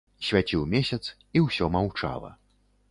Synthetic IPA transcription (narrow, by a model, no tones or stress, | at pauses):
sʲvʲat͡sʲiwmʲesʲɐt̪s | iwsʲɔmawt͡ʂa̰lˠɐ̰